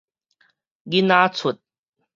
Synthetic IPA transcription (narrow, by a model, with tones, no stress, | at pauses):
ɡi˦na˦t͡sʰu˨˩t̪̚